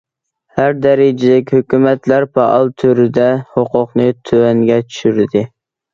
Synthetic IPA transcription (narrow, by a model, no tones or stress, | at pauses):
hæɾd̪ɛɾɪd͡ʒɪd̪ɪkʲhøkʲymɛt̪læɾpʰɑʔɑlˠt̪ʰøɾɪd̪ɛhoqʰʊqnɨt̪ʰøɛŋɡʲɛt͡ʃʰy̥ʃyɾɪd̪ɪ